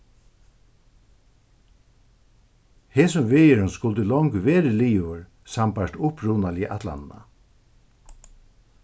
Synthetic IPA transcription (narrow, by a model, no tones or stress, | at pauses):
heːsʊmvɪːjɪɹʊnskʊlt̪əlɔŋkveːɾəliːvʏɹ | sampaʂt̪ʊpɹuːnaliʔat̪la̰nna̰